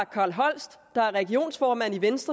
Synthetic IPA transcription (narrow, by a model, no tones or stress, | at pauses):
kʰɑ̈ːlɦɒ̽l̰sd̥d̥ɑ̈æɐʁɛɡ̥io̝̰ːnsfɒːmæn̰iʋensd̥ʁɐ